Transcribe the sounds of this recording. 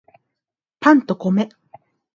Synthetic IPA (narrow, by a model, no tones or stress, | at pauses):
pãnt̪okome